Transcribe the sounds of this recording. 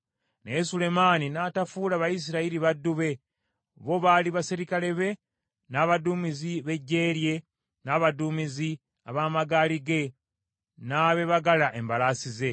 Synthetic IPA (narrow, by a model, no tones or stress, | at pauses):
nesule̞maːninaːtafuːlaβajis̬iɾaiɾiβadːuβe̞ | βo̞βaliβasiɾikale̞βe̞ | naːβaduːmiziβe̞ɟːe̞ːɾje̞ | naːβaduːmizi | aβaːmaɡaːliɡe̞ | naːβe̞βaɡalaʔe̞mbalasize̞